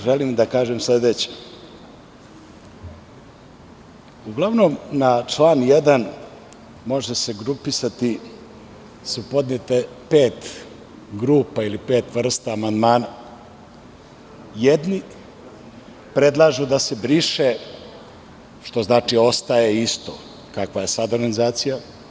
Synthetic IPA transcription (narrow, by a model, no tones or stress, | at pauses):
ʒelimd̪akaːʒemsled̪et͡ɕe̥ | uɡlˠaʋnomnat͡ʂlˠaːnjed̪an | mo̞ʐese̞ɡɾupisat̪i | supo̞d̪net̪e | peːt̪ | ɡɾuːpailipeːt̪ʋr̩st̪aːmand̪maːna | jed̪ni | pɾe̞d̪lˠaːʒud̪ase̞bɾiʃe | ʃt̪o̞znaːt͡ʂio̞st̪ajeist̪o̞ | kakʋaje̞sad̪oɾɡanizaːt̪sija